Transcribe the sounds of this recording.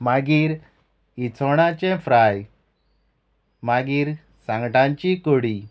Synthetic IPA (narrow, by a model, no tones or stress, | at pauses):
maɡiːɾ | it͡sʰɔɽ̃ãt͡ɕɛ̃fɾaj | maɡiːɾ | sãŋɡʈãɲt͡ɕikoɽi